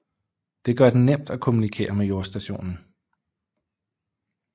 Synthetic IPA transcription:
d̥e̝ɡ̥ɶɐd̥ennem̰d̥ækʰo̝munikʰe̝̰ːɐmejo̝ɐsd̥æɕo̝̰ːnn̩

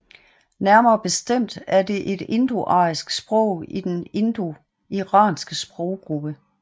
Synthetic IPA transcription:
næɐmɐːb̥e̝sd̥em̰d̥æɐde̝ʔe̝d̥e̝nd̥uʔɑ̈ɪsɡ̥sb̥ʁɔ̽ʊ̰id̥ene̝nd̥u | iʁɑ̈ːnsɡ̥əsb̥ʁɔʊɡ̥ʁub̥ə

